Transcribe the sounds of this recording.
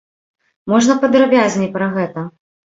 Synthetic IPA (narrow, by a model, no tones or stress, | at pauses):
mɔʐnɐpɐd̪ɾabʲazʲnʲipɾɐɣɛt̪ɐ